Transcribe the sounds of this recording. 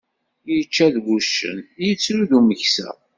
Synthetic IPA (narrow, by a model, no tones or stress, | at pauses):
jət͡ʃːæðɡʷuʃːə̰njət͡sːɾuðuməçsæ̰